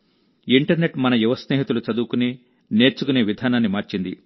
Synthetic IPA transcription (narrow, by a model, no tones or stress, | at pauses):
iɳʈɐɾne̞ʈmɐnɐjuʋɐsneːɦit̪ulut͡ʃɐd̪uːkuni | ne̞ːɾt͡ʃukuneːʋid̪ʱaːnaːnːimaːɾt͡ʃind̪ḭ